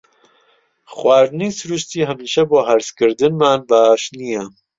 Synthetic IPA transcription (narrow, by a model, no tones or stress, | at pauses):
xwaːɾniːsɨɾuʃt̪iːɦɛmiːʃɛboːɦæɾskɨɾd̪ɨnmaːnbaːʃnijɛ